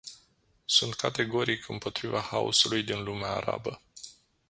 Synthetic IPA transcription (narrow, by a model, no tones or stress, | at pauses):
sunt̪̚kʰat̪e̞ɡo̞ɾikʰɨmpo̞t̪ɾivahaṵsulujd̪inlumeaːɾa̰bə